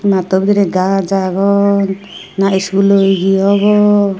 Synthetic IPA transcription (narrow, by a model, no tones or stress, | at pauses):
mat̪ɔbd̪iɾɛɡad͡ʒaɡɔn | naiskulojɡiɔβɔ